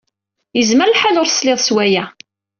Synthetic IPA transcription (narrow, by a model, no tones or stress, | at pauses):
jəzməɾlħalʊɾsleðˤswæjæ